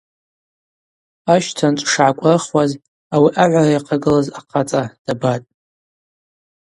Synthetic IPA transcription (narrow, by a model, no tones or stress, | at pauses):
aʃtʰant͡ʃʷʼʂʕakʷʼraχwaz | awiʔaʕʷarajqʰaɡɨlazaqʰat͡sʼad̥abatʼ